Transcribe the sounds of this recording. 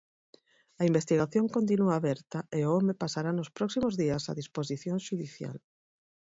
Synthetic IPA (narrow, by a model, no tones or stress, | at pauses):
ɐimbest̪iɣaθjoŋkont̪̬inuaːβɛɾt̪ɐʔeʊomepasaɾanʊspɾɔksimʊzðiɐsa̰ðisposiθjoŋʃuðiθja̰l